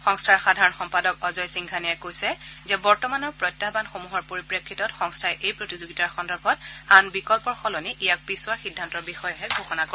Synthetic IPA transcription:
xɔŋstʰaɹxadʱaɹɔnxɔmpadɔkɔzɔjsiŋɡʰʱanijɛkojsɛzɛbɔɹtɔmanɔɹpɹɔjtːabanxomuɦɔɹpoɹipɹekʰːitɔtxɔŋstʰaɛʔejpɹotizoɡitaɹxɔndɔɹbʱɔt̚anbikɔlpɔɹxɔlɔniʔijak̚pisʊwaɹxidʱːantɔɹbixɔjɔɦɛɡʱoxɔnako

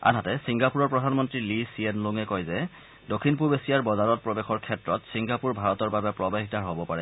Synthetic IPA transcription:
a̰nɦatɛsiŋɡapuɹɔɹpɹɔdʱanmɔntɹilisienluŋɛkɔjzɛ | dokʰːinpuɹbesijaɹbɔzaɹɔt̚pɹɔbexɔɹkʰɛtɹɔtsiŋɡapuɹbʱaɹɔtɔɹbabɛpɹɔbaɦitaɹɦobɔpaɹɛ

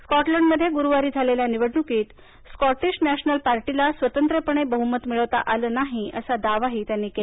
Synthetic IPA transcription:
skɔʈləɳɖməd̪ʱːjeɡuɾuʋaɾiːd͡zʱaleljaniʋəɽɳukiːt̪ | skɔʈiɕnæɕnəlpaɾʈilasʋət̪ənt̪ɾəpəɳ̃ebəɦumət̪miɭəʋt̪a̰ʔalənaɦiə̰sad̪aʋaɦit̪janːike

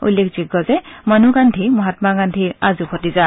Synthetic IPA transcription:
ṵlːekziɡːɔzɛmanuɡantʰimɔɦat̪maɡantʰiazupʰɔtiza

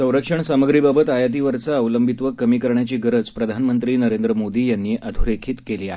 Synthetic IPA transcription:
sə̃w̃ɾəkʂəɳsaməɡɾiːbabət̪ajat̪iʋəɾt͡saːʋləmbʱit̪ʋəkːəmiːkəɾɳjat͡ɕiːɡəɾət͡spɾəd̪ʱanmənt̪ɾiːnəɾẽnd̪ɾəmod̪iːjanːiːʔʔəd̪ʱuɾekʰiːt̪keliːa̰ɦe

